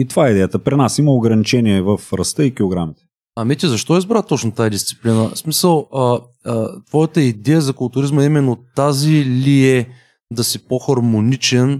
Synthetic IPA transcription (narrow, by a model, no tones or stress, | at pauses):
it̪ovaɛid̪ɛjət̪əpɾinasiməoɡɾɐnit͡ʃɛniɛvəfɾɐst̪əikioɡɾamit̪ɛ̥ | ɐmit̪izɐʃt̪ɔizbɾat̪ɔt͡ʃnot̪aɛd̪ist̪si̥plinəsmisəlˠə | t̪v̥ɔjət̪əid̪ɛjəzɐkʊlˠt̪ʊɾizməimɛnːot̪aziliɛ | d̪ɐsipoxɐɾmonit͡ʃɛn